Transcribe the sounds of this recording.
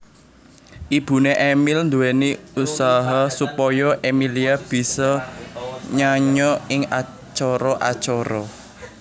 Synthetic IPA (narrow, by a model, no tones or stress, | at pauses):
ʔib̥ṳneʔemɪlnd̪uweniusaɦasupɔjɔʔemiliab̥i̤sɔ | ɲaɲɔɪŋa | t͡ʃɔɾɔʔa̰t͡ʃɔɾɔ